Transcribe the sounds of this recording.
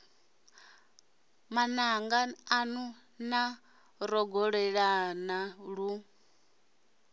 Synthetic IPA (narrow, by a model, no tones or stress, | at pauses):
manaŋɡaanu | na | ɾɔɡɔɺɛɺanaɺu